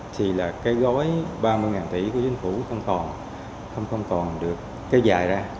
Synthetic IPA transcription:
t̪ʰi˨˩laː˨˩kaː˨˦jɣɔ˨˦jɓaː˧mɨ˧əjŋaː˨˩nt̪ḭ˧˩ku˧˩ət͡ɕï˨˦ŋ̟fu˧˩xə˧wŋ͡mkɔ˨˩n | xə˧wŋ͡mxə˧wŋ͡mkɔ˨˩nɗɨ˨˩əkːe˧˨˧wzaː˨˩jzaː˧

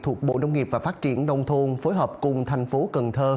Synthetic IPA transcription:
t̪ʰu˨˩ək̚ɓo̰˧˨nə˧wŋ͡mŋi˨˩p̚vaː˨˩faː˦˥t̚t͡ɕi˧˩ənːə˧wŋ͡mt̪ʰu˧nfoː˨˦jɦəː˨˩p̚kʊ˨˩ŋ͡mt̪ʰa˨˩jŋ̟fo˨˦kə˨˩nt̪ʰəː˧

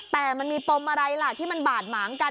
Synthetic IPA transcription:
t̪ɛː˨˩ma˧nmiː˧p̪o˧mʔa˧ɾa˧jla˨˩t̪ʰiː˥˩ma˧nbaː˨˩t̪̚maː˩˦ŋka˧

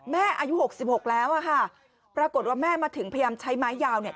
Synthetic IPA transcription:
mɛː˥˩ʔaː˧ju˦˥ho˨˩k̚si˨˩p̚ho˨˩k̚lɛː˦˥wʔa˧˩kʰa˥˩ | pɾaː˧ko˨˩t̪̚waː˥˩mɛː˥˩maː˧t̪ʰɯ˨˩˦ŋpʰa˧jaː˧mt͡ɕʰa˦˥jmaː˦˥jːaː˧wni˥˩ɐ

